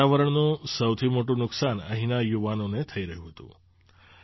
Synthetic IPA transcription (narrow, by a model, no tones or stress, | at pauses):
aʋəɾəɳnũsəwt̪ʰimoʈũnʊksanə̰ɦinajuʋanonet̪ʰəiɾəɦjũɦət̪ṵ̃